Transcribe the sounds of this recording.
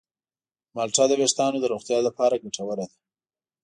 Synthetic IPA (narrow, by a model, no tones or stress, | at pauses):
malʈɑd̪əbeʃt̪ɑnod̪əɾoxt̪jɑləpɑɾaɡaʈʰawəɾad̪a